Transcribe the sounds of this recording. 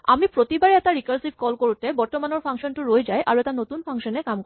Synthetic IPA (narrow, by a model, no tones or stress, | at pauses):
amipɾot̪ibaɾeɛt̪aɾikaɾsib̚kɔlkoɾut̪ebɔɾt̪omanoɾfʰaŋʃonʈuɾoed͡ʑaeʔaɾoet̪anot̪unfʰaŋʃonekamk